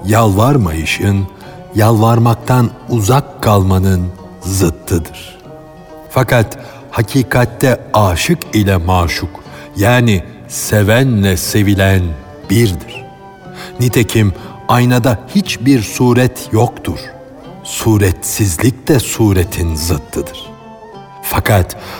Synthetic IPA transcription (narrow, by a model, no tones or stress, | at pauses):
jalˠvaɾmajɯʃɯn | jalˠvaɾmak̚t̪ʰanuzakʰːalˠmanɯn | zɯt̪ʰːɯd̪ɯɾ̥ | fakat̪ | hacʰiːkʰat̪ːɛaːʃɯkilʲɛmaːʃuk | jaːni | sevænlʲɛse̞vilʲæn | biɾd̪iɾ̥ | nit̪ʰecʰim | ajnad̪ahit͡ʃbiɾsuːɾɛt̪ʰjokt̪ʰuɾ̥ | suːɾɛt̪sizlʲic̚d̪ɛsuːɾet̪ʰinzɯt̪ʰːɯd̪ɯɾ̥ | fakʰat̪